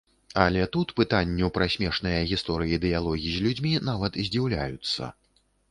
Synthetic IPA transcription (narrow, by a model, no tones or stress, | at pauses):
ɐlʲɛt̪ut̪pɨt̪anʲːɛwpɾasʲmʲɛʂnɨjɐɣʲist̪ɔɾɨjiid̪ɛjalˠɔɣʲiizʲlʲud͡zʲmʲinavɐt̪zʲd͡zʲiwlʲa̰jut̪sːɐ̰